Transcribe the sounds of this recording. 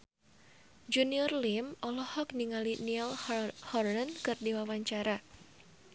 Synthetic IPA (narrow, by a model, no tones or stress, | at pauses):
d͡ʒuniɔrlimɔlɔhɔk̚niŋaliniɛlhɔrnankɨrdiwawaɲt͡ʃaɾa